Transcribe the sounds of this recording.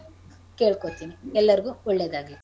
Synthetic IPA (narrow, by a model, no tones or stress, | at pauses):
keːɭkot̪iːniɛlːɐɾiɡuɔɭːed̪aːɡi